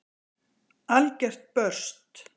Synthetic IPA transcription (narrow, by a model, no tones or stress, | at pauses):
alcɛr̥t̪̚pœr̥st̪